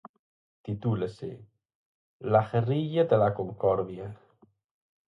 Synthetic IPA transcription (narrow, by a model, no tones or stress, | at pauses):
t̪it̪ulesḛ | laxeriʎad̪elakoŋkɔɾβja